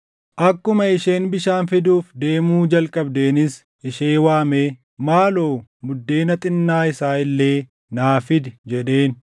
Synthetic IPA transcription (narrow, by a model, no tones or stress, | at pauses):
ʔɐkːʊmɐɪʃe̞ːnbɪʃaːnfɪd̪uːfd̪eːmuːd͡ʒɐlkʼɐbd̪eːnɪs | ʔɪʃeːwaːmeː | maːloːmʊd̪ːe̞ːnɐt̪ʼɪnːaːɪsaːɪlːe̞ː | naːfɪd̪ɪd͡ʒɛᶑ̪e̞ːn